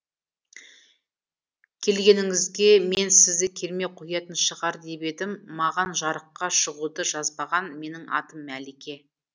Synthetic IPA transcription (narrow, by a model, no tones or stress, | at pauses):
kʲʰe̞lɡʲe̞nɪŋɪzɡʲe̞me̞nsɪzd̪ɪkʲʰe̞lme̞qʰojɑt̪ənʃəʁɑɾd̪e̞be̞d̪ɪmːɑʁɑnʒɑɾəqːɑʃəʁud̪əʒɑzbɑʁɑnme̞nɪŋʔɑ̰t̪əmːælekʲe̞